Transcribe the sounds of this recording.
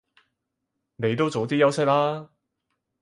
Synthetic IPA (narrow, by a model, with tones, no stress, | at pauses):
ne˨˧jt̪o˥wt͡so˨˧wt̪̬iː˥jɐ˥wsɪ˥k̚laː˥